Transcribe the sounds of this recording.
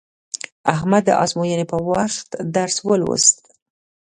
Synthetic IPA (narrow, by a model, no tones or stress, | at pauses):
aɦhmad̪ːə̰ʔɑ̰zmojənepəwaxt̪d̪aɾswəlwə̰st̪